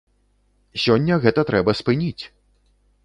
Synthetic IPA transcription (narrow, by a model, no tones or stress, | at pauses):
sʲɔnʲːɐɣɛt̪ɐt̪ɾɛbɐspɨnʲit͡sʲ